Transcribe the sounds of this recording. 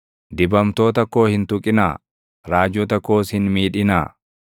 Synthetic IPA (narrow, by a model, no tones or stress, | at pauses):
d̪ɪbɐmt̪o̞ːt̪ɐkːo̞ːhɪnt̪ʊkʼɪnaː | ɾaːd͡ʒːɔt̪ɐkːo̞ːshɪnmiːᶑɪnaː